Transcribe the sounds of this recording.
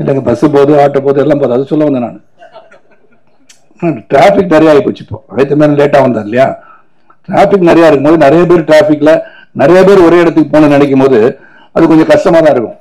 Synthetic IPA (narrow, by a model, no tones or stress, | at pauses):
ɪlːɛŋɡɐpɐsɯpoːðɯaːʈːɐpoːðɯɛlːaːmpoːðɯɐðɯsɔlːɐʋɐnd̪ɐna̰ːnɯ | ʈɾaːfɪkːnɪɾɐjaːɪpːoːt͡ʃːɯ̥pːo̰ːɐɪt̪ːɐmeːnɐleːʈːaːʋɐnd̪aːɾɪlɐjaː | ʈɾaːfɪk̬ːnɪɾɐjaːɪɾɯkːɯmpoːðɯnɪɾɐjɐp̬eːɾɯʈɾaːfɪkːɪlɐ | nɪɾɐjɐpeːɾɔɾeːɪɽɐt̪ːɯkːɯpoːnɐnɪɽɛk̬ʲːɯmpoːðɯ | ɐðɯkɔɲd͡ʒɐ̃kɐʂʈɐmaːt̪ãːɪɾɯkːʊ̰̃